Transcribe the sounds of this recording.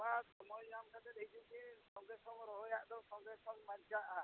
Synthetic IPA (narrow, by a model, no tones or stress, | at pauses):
basɔmɔjamkʰat̪ɛd̪ejt͡ʃukikɔŋɡɾɛsɔŋɔɾɔɦɔjaʔd̪ɔskɔŋɡɾɛsɔŋmaɲt͡ʃaʔa